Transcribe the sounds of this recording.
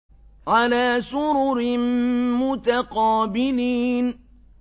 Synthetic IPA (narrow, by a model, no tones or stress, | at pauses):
ʕalaːsʊɾʊɾɪmʊt̪aqɑːbɪliːn